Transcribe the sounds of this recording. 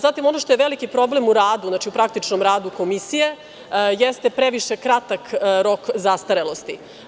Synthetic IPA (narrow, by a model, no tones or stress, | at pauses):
zat̪imo̞noʃt̪o̞jeʋelikipɾo̞blemuɾaːd̪uznat͡ʃiupɾakt̪it͡ʂnomɾaːd̪uko̞misije̞ | jest̪e̞pɾeʋiʃekɾat̪akɾo̞kzast̪aɾelo̞st̪i